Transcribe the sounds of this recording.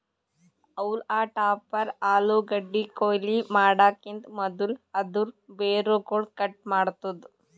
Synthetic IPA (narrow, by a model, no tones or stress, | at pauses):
ɐwlaːʈaːpɐɾaːluːɡɐɖːikoːlimaːɽaːkind̪mɐd̪ulɐd̪uɾbeːɾoːkoːɭkɐʈ̚maːɽt̪ːɐd̪u